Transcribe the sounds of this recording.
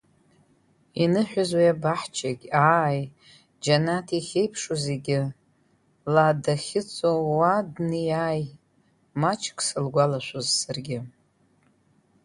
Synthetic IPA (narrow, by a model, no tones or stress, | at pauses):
inɨħʷᶣʊzwijabaħt͡ʃʰaɡʲaːj | d͡ʒanatʰiχʲe̞jpʰʂoze̞ɡʲɪ | ladaχʲɪt͡sʼowadnɨjaːj | mat͡ʃʰkʰʼsɨlɡʷalaʃʷozsarɡʲɪ